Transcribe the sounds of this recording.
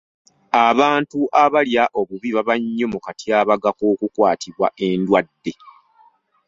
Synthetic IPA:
aβaːntuʔaβaljaʔo̞βuβiβaβaɲːo̞mukatʰjaːβaɡakoːkukwaːtʰiβwa̰ʔe̞ndwadːe̞

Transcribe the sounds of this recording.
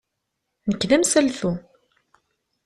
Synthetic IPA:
nəkːðæmsælθu

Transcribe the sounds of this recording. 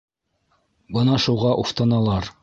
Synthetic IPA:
bɤnɑʃuʁɑʔuft̪ɤnɑlˠɑɾ

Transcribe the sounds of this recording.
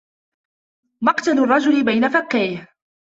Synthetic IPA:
mɑqt̪alʊrˤːɑd͡ʒʊlɪbajnafakːajh

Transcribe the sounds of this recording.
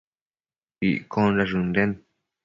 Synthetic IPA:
ḭkʰõnɾaʐund̪ẽn

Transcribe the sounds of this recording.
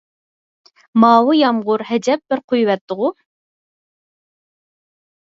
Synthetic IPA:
mɑːwujɑmʁʊɾhɛd͡ʒɛp̚bɪɾqʰujwɛt̪ʰːʊʁʊ

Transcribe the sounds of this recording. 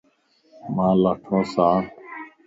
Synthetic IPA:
mãːlaːʈʰõːsãː

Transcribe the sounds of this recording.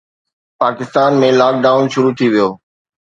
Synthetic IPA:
paːkɪst̪aːnmẽlaːk̚ɖaːʊnʃʊɾut̪ʰiʋijoː

